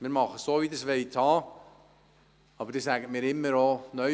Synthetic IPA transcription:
mɪːɾmɑχəsoːʋid̪əsʋɛɪtʰhɑː | ɑbəɾd̥esæɡətmɪːɾɪmːəɾonœ

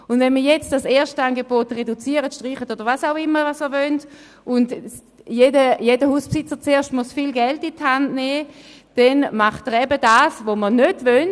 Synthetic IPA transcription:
ʊndvɛnmiɐjɛt͡std̥aseːɐʃtanɡebotʁedut͡siəʁətʃtʁiːχətodɐʁvasaʊɪmːəvasməvœnt | ʔʊnd | jedəjedəhuːspsɪt͡sət͡seːɐʃtmusfilɡɛltithandnɛː | d̥ɛnmaχtəʁɛbədaːsvomənødvøn

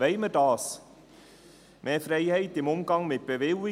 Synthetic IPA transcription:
ɛɪmədɑːs | mʔeːfɾɛɪhɛɪtɪmʊmɡɑŋmɪt̚b̥evɪli

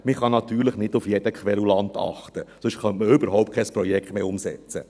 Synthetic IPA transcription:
mɪχɑnɑtyːɾləχnɪdufjɛd̥əkχʋɛlulɑnt̪ɑ̰χtəsʊʃχœntməʏbəɾɦɔʊp̚t̚kʰɛspɾɔjɛkχtmeːʊmsɛ̰t͡sə̰

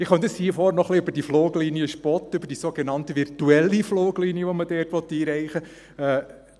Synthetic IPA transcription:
ɪχœntəshiəfɔːɾnɔχliʏbəɾdifloːɡliːnijəʃpɔt̪ʏbəɾd̥isoɡenɑntəʋɪɾtuɛlːifloːɡliːniəʋɔmədɛːɾtʋɔt̪ːiːɾɛɪχə | ɛː

